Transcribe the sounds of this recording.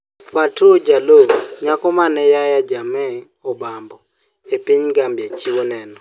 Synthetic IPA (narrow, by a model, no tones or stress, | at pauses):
fatod͡ʒaloɲakɔmanɛjajad͡ʒamɛ | ɔbambɔ | epiɲɡambjet͡ʃiwɔnɛnɔ